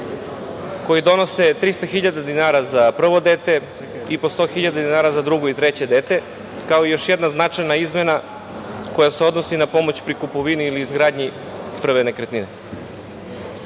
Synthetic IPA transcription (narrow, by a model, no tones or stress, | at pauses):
ko̞jid̪o̞no̞se̞t̪ɾist̪axiʎad̪ad̪inaːɾazapr̩ʋo̞d̪eːt̪e̞ | ipo̞st̪o̞xiʎad̪ad̪inaːɾazad̪ɾuɡoit̪ɾe̞t͡ɕe̞d̪e̞ːt̪e | kao̞ijo̞ʃjed̪naznat͡ʃajnaizme̞na | ko̞jaseo̞d̪no̞sinapo̞mo̞t͡ɕpɾikupoʋiniːliːzɡɾaːd̪ɲi | pr̩ʋenekɾet̪nine